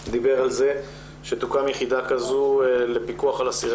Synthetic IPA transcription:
d̪ibe̞ʁalze | ʃet̪ukamjeχid̪akazule̞pikuaχalasiʁ

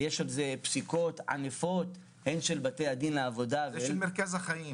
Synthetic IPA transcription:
jeʃalzepsiko̞t̪ʕa̰nefot̪ | henʃelbate̞jad̪inleavo̞d̪avmeɾkazaχai

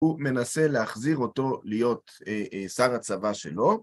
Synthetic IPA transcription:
ume̞nase̞leaχziʁo̞to̞lijo̞t | saʁat͡savaʃḛlo̞

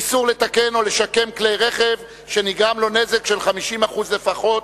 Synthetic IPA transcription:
suʁle̞t̪ake̞no̞leʃake̞mklejʁe̞χe̞v | ʃe̞niɡʁamlo̞ne̞zekʃe̞lχamiʃimaχuzle̞faχo̞t

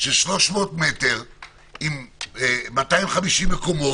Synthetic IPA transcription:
ʃeʃlo̞ʃmo̞ːtmet̪eʁ | im | matajimχamiʃimːekomo

